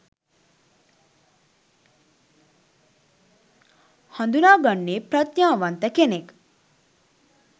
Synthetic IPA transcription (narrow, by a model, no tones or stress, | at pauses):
hɐnd̪unaːɡɐɳːeːpɾɐt̪jaːʋant̪əkenek